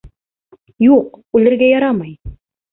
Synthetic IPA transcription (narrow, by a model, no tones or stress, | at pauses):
juq̚ʉlɘ̆ɾɡæjɑɾɑmɑj